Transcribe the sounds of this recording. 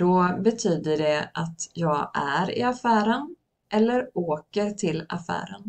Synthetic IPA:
d̪̥ɔbɛt̪ʰyːd̪əɖɛʔat̪jɑːɡæɾɪ̰afæːɾən | ʔɛlːəɾoːkəɾt̪ʰɪlːa̰fæ̰ːɾən

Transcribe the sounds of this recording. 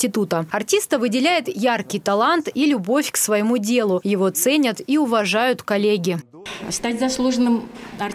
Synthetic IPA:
ɪt̪ut̪əɐrtʲist̪əvɨdʲɪlʲæjɪt̪jarkʲɪjt̪ɐlˠant̪ilʲʊbo̞fʲksvɐjɪmudʲe̞lˠʊjɪvo̞t̪sɛnʲət̪iʊvɐʐajʊt̪kɐlʲeɡʲɪ | st̪atʲzɐslˠuʐənɨmɐr

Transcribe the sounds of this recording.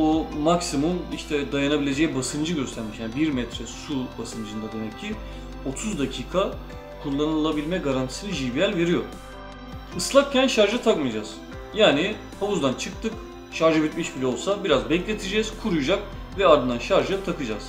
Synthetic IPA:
umaksimumiʃt̪ʰɛd̪ajanabilʲe̞d͡ʒɛjibasɯnd͡ʒɯɟøst̪ʰæɾmiʃjaːnbiɾmɛt̪ɾɛsubasɯnd͡ʒɯnd̪ad̪e̞mɛcʰːi | o̞t̪ʰuzd̪acʰiːkʰa | kʰulˠːanɯɯlˠabilʲmɛɡaɾant̪ʰi̥sinɯʒibijælʲve̞ɾijo̞ɾ | ɯslˠak̚cʰænʃaɾʒat̪ʰakmɯjd͡ʒaz̥ | jaːni | haβuzd̪ant͡ʃʰɯk̚t̪ʰɯk | ʃaɾʒabit̪miʃbilʲɛo̞lˠsabiɾazbɛclʲe̞t̪ʰid͡ʒɛz̥kʰuɾujud͡ʒak̚ | vɛaɾd̪ɯnd̪anʃaɾʒat̪ʰakɯd͡ʒaz̥

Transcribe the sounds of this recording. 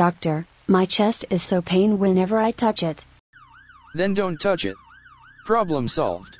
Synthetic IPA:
ɑk̚tə˞ | maɪt͡ʃʰɛstɪz̥soʊpʰẽɪ̃nwɨ̃nɛvə˞aɪtʰʌt͡ʃɪt | ðɨ̃ndõʊ̃ntʰʌt͡ʃɪ̰t̚ | pʰɹ̥ɑblə̃msɑ̰lˠvd̥

